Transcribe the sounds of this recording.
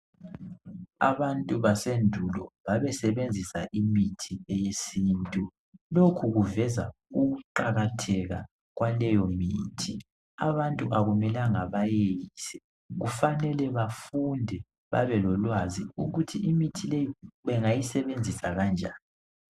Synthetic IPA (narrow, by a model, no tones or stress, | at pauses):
a̰βantʼuβasendʱulɔβaβɛsɛβend͡zʱisaʔimitʰiɛjesiːntʼu | lokʰuɣuvɛzauɣuǃaɣatʰɛɣa | ɣwalɛjɔmiːtʰi | a̰βantʼuʔaɣumɛlaŋaβajejisɛ̥ | ɣufanɛlɛβafundʱɛ | βa̰βɛlɔlwaziuɣutʰiimitʰilejiβɛŋajisɛβend͡zʱisaɣand͡ʒʱaːni